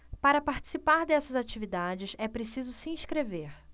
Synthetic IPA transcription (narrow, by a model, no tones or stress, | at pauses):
paɾɐpaɾt͡ʃi̥sipaɾd̪ɛsɐzat͡ʃivid̪ad͡ʒɪsɛpɾesizʊsiĩʃkɾeveɾ